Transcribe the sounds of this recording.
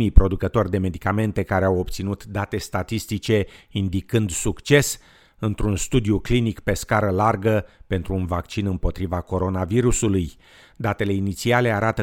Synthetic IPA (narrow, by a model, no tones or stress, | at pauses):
ijpɾo̞d̪ukət̪o̞rʲd̪e̞me̞d̪ikame̞nt̪e̞kaɾeawopt̪sinut̪d̪at̪e̞st̪at̪ist̪it͡ʃe̞ind̪ikɨnd̪sukt͡ʃe̞s | ɨnt̪ɾunst̪ud̪iuklinikpe̞skaɾəlarɡəpe̞nt̪ɾuːnvakt͡ʃinɨmpo̞t̪ɾivako̞ɾo̞naviɾusuluj | d̪at̪e̞le̞init̪siale̞aɾat̪ə